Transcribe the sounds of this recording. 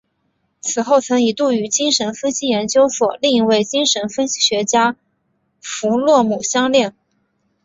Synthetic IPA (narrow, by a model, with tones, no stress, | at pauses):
t͡sʰɹ̩˨˩xo˥˩ʊt͡sʰɤ˧˥ŋi˨˩t̪u˥˩y˧˥t͡ɕi˥ŋʂə˧˥nfə˥nɕi˥jɛ˧˥nt͡ɕjo˥ʊswɔ˨˩li˥˧ŋi˧˥we˥˩ɪt͡ɕi˥ŋʂə˧˥nfə˥nɕi̥˥ɕɥɛ˧˥t͡ɕja˥ | fu˧˥lwɔ˥˩mu˨˩ɕjɑ˥ŋljɛ˥˩n